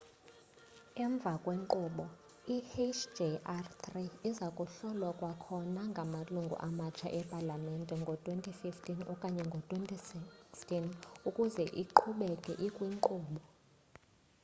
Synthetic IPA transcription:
ɛɱb̪vʱakʼweŋǃuːɓɔ | ihet͡ʃd͡ʒeʔartʰriizakʼuɬɔlwakʼwakʰɔnaŋɡʱamaluŋɡʱṵʔamat͡ʃʰa̰ʔɛpʼalamɛntʼɛŋɡʱɔtʼwentʰʼififtʰʼinɔ̰kʼaɲɛŋɡʱɔtʼwentʰʼisikstʰʼinukʼuzɛʔiǃʰuɓɛkʼɛʔikʼwiŋǃuːɓɔ

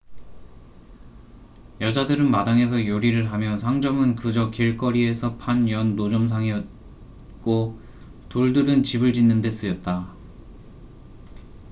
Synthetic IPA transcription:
jʌd͡ʑadɯɾɯnmadaŋe̞s̬ʰʌjoɾiɾɯɭɦamjʌsʰaŋd͡ʑʌmɯnkɯd͡ʑʌkiɭk͈ʌɾie̞sʰʌpʰanjʌnːod͡ʑʌms̬ʰaŋiʌt̚ | k͈o | toɭdɯɾɯnt͡ɕibɯɭd͡ʑinːɯnde̞s͈ɯjʌt̚t͈a

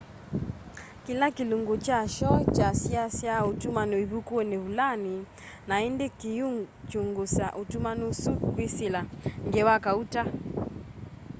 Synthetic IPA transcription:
kilakiluŋɡot͡ʃaʃɔt͡ʃasiasjautumanoiβukuoneβulani | naindekijut͡ʃuŋɡusaʔutumanusukwisilaŋɡɛwakauta

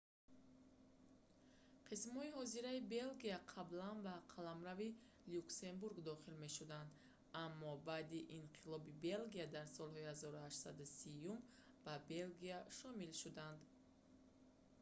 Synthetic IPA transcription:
qʰismhɔihɔziɾaibe̞lɡiaqʰablanbaqʰalamɾavi | lukse̞mbuɾɡd̪ɔχilme̞ʃud̪and̪ | amːɔbad̪iʔinqʰilɔbibe̞lɡiad̪aɾsɔlˠhɔihazɔɾuhaʃt̪sad̪usijum | babe̞lɡiaʃɔmilʃud̪and̪

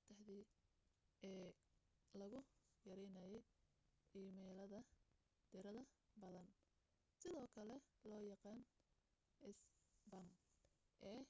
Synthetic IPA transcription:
t̪ʰɐhðɪ | ɛː | lɐɣʊjɐɾɛjnɐjɛj | iːmɛːlɐðɐ | d̪̥ɪɾɐðɐbɐðɐn | sɪðɔːkʰɐlɛlɔːjɑqɑːn | ʔɪsbɐmʔɛː

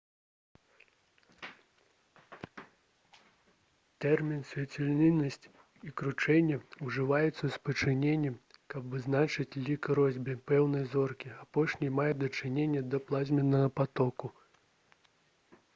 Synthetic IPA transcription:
t̪ɛrmʲinsʲvʲɛt͡sʲɛlʲnʲinːɐsʲt͡sʲ | ikɾut͡ʂɛnʲːɛuʐɨvajɛt̪sːɐspɐt͡ʂɨnʲenʲːɛmkɐbvɨznat͡ʂɨt͡sʲlʲikɾɔzʲbʲipɛwnɐjzɔrkʲiapɔʂnʲijmajɛd̪ɐt͡ʂɨnʲenʲːɐd̪ɐplˠazʲmʲɛnːɐɣɐpat̪ɔku

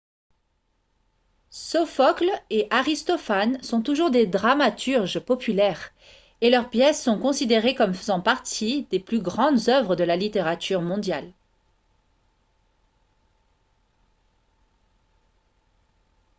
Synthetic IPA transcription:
sɔfɔkleʔaʁist̪ɔfansɔ̃t̪uʒuʁd̪ed̪ʁamat̪yʁʒpɔpylɛʁ | elœʁpjɛsːɔ̃kɔ̃sid̪eʁekɔmfəzɑ̃paʁt̪ʰid̪eplyɡʁɑ̃d̪zœvʁəd̪əlalit̪eʁat̪yʁmɔ̃d̪jal

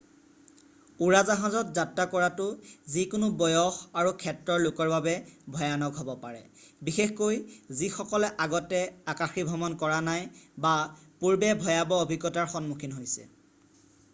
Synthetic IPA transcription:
uɹazaɦãzɔtzatːakɔɹatʊzikʊnʊbɔjɔxaɹukʰɛtɹɔɹlʊkɔɹbabɛbʱɔjanɔɡɦobɔpaɹɛ̰bixexkojzixɔkɔlɛʔaɡɔtɛakaxibʱɔmɔnkɔɹanajbapuɹbɛbʱɔjabɔobʱiɡɔtaɹxɔnmukʰinɦojsɛ̰

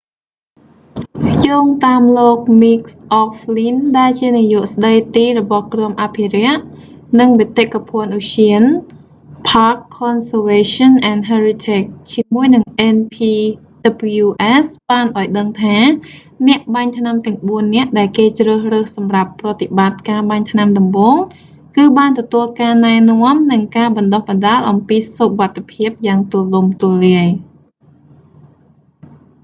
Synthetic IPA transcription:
joːŋt̪aːmloːk̚mik̚sʔɔflinɗaɛlt͡ɕiənijoəʔsɗəjt̪iːrɔɓɑhkrɔəmʔapʰirɛ̆əʔ | nɨŋʋit̪eʔkapʰɔ̆ənʔuɕiən | pʰaːkʰːɔnsəʋeːɕɔnʔanɦaːrit̪ʰeːk̚t͡ɕiəmuəjnɨŋʔɛnpʰiː | ɗabljuːʔɛsɓaːnʔaɔjɗəŋt̪ʰaː | nɛ̆əʔɓaɲt̪ʰnamt̪ɛ̆əŋɓuənːɛ̆əʔɗaɛlkeːt͡ɕrəːhrəːhsɑmrapːrɑːt̪ːiɓat̪̚kaːɓaɲt̪ʰnamɗɑmɓoːŋ | kɨːɓaːnt̪ɔt̪uəlkaːnaɛnŏəmnɨŋkaːɓɑnɗohɓɑnɗaːlʔɑmpiːsuʋat̪ʰːepʰiəp̚jaːŋt̪uəlumt̪uəlːiəj

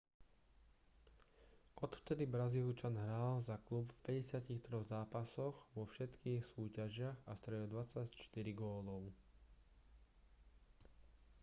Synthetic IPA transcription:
ʔɔt̪ft̪ɛd̪ibɾazilut͡ʃanɦɾaːlzaklupfpɛɟɛsɪaciːxt̪ɾɔɣzaːpasɔɣʋɔfʃɛt̪kiːxsuːcaʒɪaɣast̪ɾɛd̪ɔd̪ʋat͡sact͡ʃt̪iɾiɡɔːlɔʊ

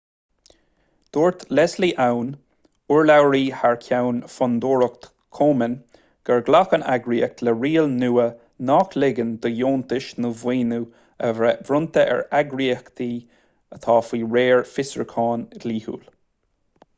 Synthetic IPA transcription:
d̪̥oːɹt̪ʰlɛsliːʔawn | uɹlawɹiːhaɹkʰawnfɔnd̪oːɹək̚t̪ | kʰoːmən | ɡ̥ɛɹɡlakənaɡɹiːək̚t̪ləɹiːəlnuːə | nɑːklɪɡənd̪̥əjoːnt̪ɪʃnəvwiːnu | əvɾʊnt̪əʔɛ̰ɹaɡɹiːəkt̪ʰiː | ət̪ʰɑːfiːɹeːɹfɪsə̰ɹkʰɑːnɡliːhṵːl

